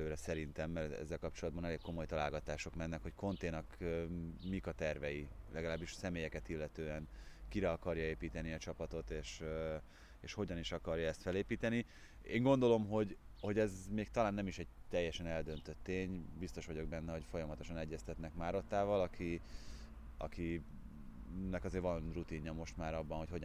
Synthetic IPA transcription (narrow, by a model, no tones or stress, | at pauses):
øːɾɛsɛɾint̪ɛmːɛrt̪ɛ̰zːɛlkɒp̚t͡ʃolɒd̪bɒnɛleːkko̞mo̞jt̪ɒlaːlɡɒt̪aːʃo̞kmɛnːɛkho̞ckʰo̞nt̪eːnɒk | mikɒt̪ɛrvɛjilɛɡɒlaːbːiʃsɛmeːjɛkɛt̪ilːɛt̪øːɛnkiɾɛɒkɒɾjɒeːpiːt̪ɛniɒt͡ʃɒpɒt̪o̞t̪eːʃ | eːʃho̞ɟɒniʃɒkɒrjɒɛst̪fɛleːpiːt̪ɛni | ḛːŋɡo̞nd̪o̞lo̞mɦo̞ɟho̞ɟɛzmeːk̚t̪ɒlaːnːɛmiʃɛɟ̚t̪ɛjːɛʃɛnɛld̪ønt̪øt̪ːeːɲbist̪o̞ʃʋɒɟo̞ɡ̚bɛnːɛho̞cfo̞jɒmɒt̪oʃɒnɛɟːɛst̪ɛt̪nɛkmaːɾo̞t̪ːaːvɒlɒkʰi | ɒ̰ki | nɛkɒzeːɾvɒnrut̪iɲːɒmo̞ʃt̪maːɾɒbːɒnho̞cho̞